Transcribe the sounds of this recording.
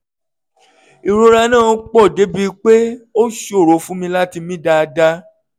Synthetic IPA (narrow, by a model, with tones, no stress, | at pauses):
i˨ɾo˧ɾa˧nã˦˨˦k͡pɔ˦˨de˨˦bi˦˧k͡pe˦o˦ʃo˦˨ɾo˨˦fũ˦mĩ˧la˦ti˧mĩ˦da˧da˦